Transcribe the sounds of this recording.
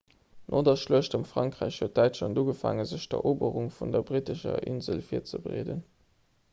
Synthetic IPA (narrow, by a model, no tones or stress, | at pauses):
nʔoːdɐʃluəɕtɑmfʁɑŋkʁ̥æɪɕhuət̚d̥æɪtʃlɑnduːɡəfa̰ːŋəzəɕd̥ɐ̰ʔoːbəʁuŋfundɐbʁitəʃɐ̰ʔḭnzəlfiːɐt͡səbʀḛːdə̰n